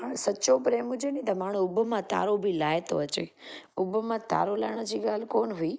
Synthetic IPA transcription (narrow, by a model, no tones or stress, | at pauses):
əsəːt͡ʃopɾeːmʊ̃d͡ʒenĩt̪amaːɽ̃ũʊbʱmãt̪a̰ːɾobʱilaːjt̪o̰ət͡ʃḛ | ʊbʱmãt̪a̰ːɾolaːɳ̃əd͡ʒiɠaːlkoːnɦuiː